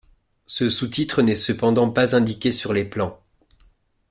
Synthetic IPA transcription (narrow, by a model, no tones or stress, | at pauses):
səsut̪it̪χənɛsəpɑ̃d̪ɑ̃pazɛ̃d̪ikʲesyʁleplɑ̃